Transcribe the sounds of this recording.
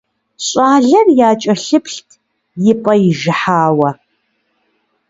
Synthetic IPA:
ɕʼaːɮɐrjaːt͡ʃʼɐɬɨpɬtʰ | jɪpʼɐjɪʒɪħaːwɐ

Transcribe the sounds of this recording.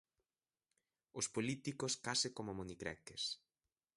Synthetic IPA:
ʊspolit̪ikoskasɪkomomonikɾɛ̰kes

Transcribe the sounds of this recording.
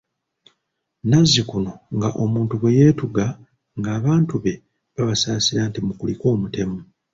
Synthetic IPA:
nazːikuno̞ŋɡaʔo̞muːntuβwe̞jeːtuɡa | ŋɡaːβaːntuβe̞ | βaβasaːsiɾaːntimukuliko̞ːmute̞mu

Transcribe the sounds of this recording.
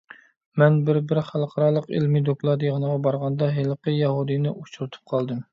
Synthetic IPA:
mɛnbɪɾbɪɾχælˠqʰɑɾɑːlˠəqḛlmid̪oklˠɑd̪ɨʁənəʁɑbɑɾʁɑnd̪ɑɦelˠqəjɛɦud̪ɨnɪʔut͡ʃʰuɾɨt̪ʰu̥p̚qʰɑlˠd̪ɨm

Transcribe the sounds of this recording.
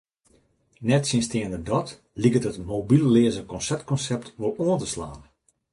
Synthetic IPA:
nɛtsɪnstɪəndədɔt | likətətmoːbilleːəzəkɔnsɛp̚t̚kɔnsɛp̚tʋolˠoəntəslaːn

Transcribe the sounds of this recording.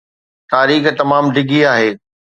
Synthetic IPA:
t̪aːɾiːxt̪ɐmaːmɖʱɪɡʱiaːɦeː

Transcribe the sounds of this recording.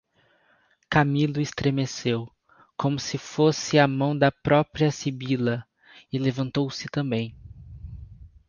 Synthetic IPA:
kamilʊɪst̪ɾemesew | kõmʊsɪfosɪamɐ̃w̃d̪ɐpɾɔpɾiɐsibilɐ | ɪlevɐ̃nt̪owsɪt̪ɐ̃mbẽj̃

